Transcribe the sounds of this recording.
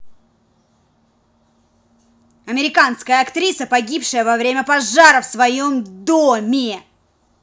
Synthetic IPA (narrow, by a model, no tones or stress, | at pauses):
ɐmʲɪɾʲɪkanskəjəɐkt̪ɾʲisəpɐɡʲipʂɨjəvɐvɾʲemʲəpɐʐaɾəfsvɐjo̞md̪omʲɪ